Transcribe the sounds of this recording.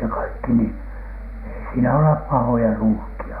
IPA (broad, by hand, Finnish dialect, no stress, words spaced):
jɑ kɑikːi ni ei siːnæ olep pɑhojɑ ruːhkiɑ